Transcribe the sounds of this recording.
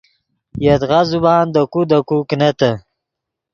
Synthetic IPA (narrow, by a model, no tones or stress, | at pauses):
jet̪ɣazubɑːnd̪əkud̪əkuknat̪ə